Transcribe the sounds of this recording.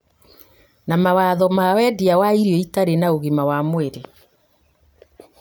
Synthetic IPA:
namawaðɔmawɛdiawaiɾiɔitaɾenaoɣimawamweɾe

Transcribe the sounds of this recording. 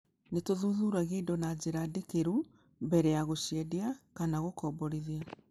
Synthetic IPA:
netoðuðuɾaɣeidɔnad͡ʑeɾadekeɾu | bɛɾɛaɣoɕiɛdiakanaɣokɔːbɔɾiðia

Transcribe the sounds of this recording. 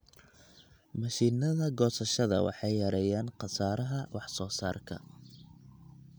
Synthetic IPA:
mɐʃiːnɐðɐɡɔːsɐʃɐðɐ̰wɑ̰ħɑjːɐɾɛjaːnqɑsaːɾɐɦɐwʔɑħsɔːsaːrkʰɐ̰

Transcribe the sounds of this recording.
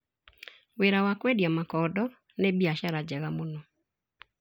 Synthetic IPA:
weɾawakwedjɔmakɔdɔ | nebiaʃaɾad͡ʒɛɣamonɔ

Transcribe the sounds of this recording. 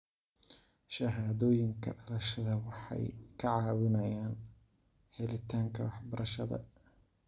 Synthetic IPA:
ʃɐɦaːðɔːjɪŋkʰɐ̰ɖɐlɐʃɐðɐwɑħɑ̰jkʰɐʕɑːwɪnɐjaːn | hɛlɪt̪ʰaːŋkʰɐwɑħbɐɾʔɐʃɐðɐ̰

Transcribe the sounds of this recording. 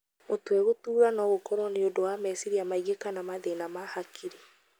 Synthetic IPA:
motwɛɣotuːɾanɔɣokɔɾwɔneodowamɛsiɾiamaiɣekanamaðenamahakʰiɾe

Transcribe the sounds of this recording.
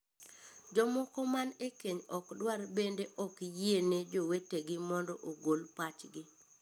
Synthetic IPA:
d͡ʒɔmɔkɔmanekeɲɔkdwarbendeʔɔkjiened͡ʒoweteɡɪmɔndɔʔoɡolpat͡ʃɡɪ

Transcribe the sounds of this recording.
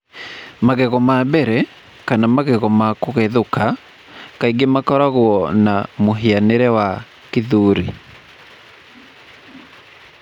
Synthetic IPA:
maɣɛɣɔmabɛɾɛ | kanamaɣɛɣɔmakoɣeðoka | kaiɡemakɔɾaɣoɔnamoɦeaneɾɛwa | keðuːɾi

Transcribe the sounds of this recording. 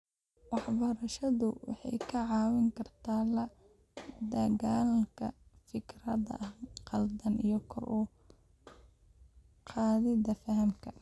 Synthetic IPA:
wɑħbɐɾɐʃɐðʊwɑ̰ħɑ̰jkʰɐʕɑːwɪŋkʰɐrt̪ʰaːlɐ | d̪ɐɣaːlkʰɐ̰fɪkʰrɐðɐ̰ʔhqɑld̪ɐnijɞkʰɔ̰rʔʊ | qʰɑːðɪdɐfɐɦɐmkʰɐ

